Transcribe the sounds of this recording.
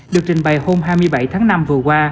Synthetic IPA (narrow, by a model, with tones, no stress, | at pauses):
ɗɨ˨˩ək̚t͡ɕï˨˩ŋ̟ɓa˨˩jho˧mɦaː˧jmɨ˧əjɓa˧˩jt̪ʰaː˨˦ŋna˧mvɨ˨˩əkwaː˧